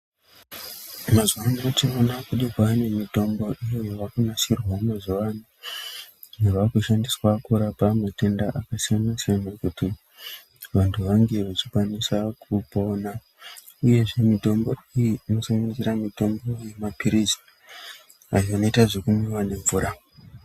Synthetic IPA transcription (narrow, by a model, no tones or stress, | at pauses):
mazuʋanatimonakuɗikwane̞mito̞mbo̞ʔijojoʋakunasirwamazuʋani | neʋakuʃandiswakuɾapamate̞ndaʔakasijanasianakuti | ʋantʰuʋaŋɡe̞ʋat͡ʃi̥kwanisakupo̞ːna | uje̞ʐe̞mito̞mbo̞ijiino̞saŋɡanizeɾamito̞mbo̞je̞mapiɾizi | ajoano̞itaʐekumiwane̞ɱvuːɾa